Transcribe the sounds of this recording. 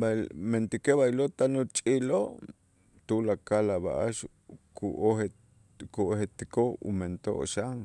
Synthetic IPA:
bament̪ikeβailot̪anot͡ʃʼiloʔ | t̪ulakalaβa̰ʔaʃ | kuʔohe | kuʔohet̪ikoṵment̪o̰ʔo̰ʃaŋ

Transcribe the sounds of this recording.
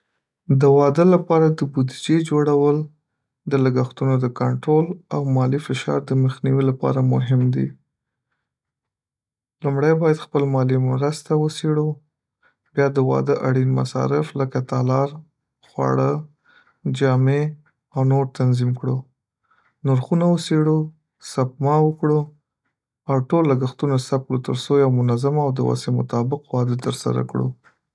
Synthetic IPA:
d̪əwɑd̪əlapɑɾad̪əbud̪id͡ʒed͡ʒoɽawəl | d̪əlaɡaxt̪unod̪əkaɳʈɾolawmɑlifɪʃɑ̰ɾd̪əməxniwilapɑ̰ɾamʊɦɪmd̪ḭ | lumɽajbɑjad̪xpəlmɑlimɾəst̪awəseɽu | bjɑd̪əwɑ̰d̪əʔaɽinma̰sɑ̰ɾɪfləkat̪ɑlɑɾ | xwɑ̰ɽə | d͡ʒɑme | awnoɾt̪anzimkɽu | nʊɾxunawəseɽu | sap̚mɑwəkɽu | awʈolːaɡaxt̪unasap̚kɽut̪əɾsojawmʊnazamawd̪əwa̰semʊ̰t̪ɑbɪqwɑd̪ət̪əɾsa̰ɾa̰kɽṵ

